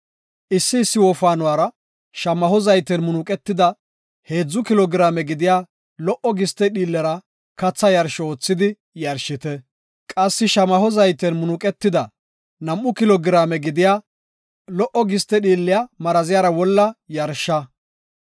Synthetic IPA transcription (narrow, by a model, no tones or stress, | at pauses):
ʔɪsːɪːsːɪwɔfaːnʊwaːɾɐ | ʃɐmɐhɔzɐjt̪ɛnmʊnuːkʼɛt̪ːɪd̪ɐ | he̞ːd͡zːʊkɪlɔɡɪɾaːmɛɡɪd̪ɪjaː | lɔʔɔɡɪst̪ːɛɗiːlːɛɾɐ | kɐt͡sːɐjɐɾʃɔoːt͡sːɪd̪ɪ | jɐɾʃɪt̪ɛ | kʼɐsːɪʃɐmɐhɔzɐjt̪ɛnmʊnuːkʼɛt̪ːɪd̪ɐ | nɐmʔʊkɪlɔɡɪɾaːmɛɡɪd̪ɪjaː | lɔʔɔɡɪst̪ɛɗiːlːɪjamɐɾɐzɪjaːɾɐwɔlːɐjɐɾʃːɐ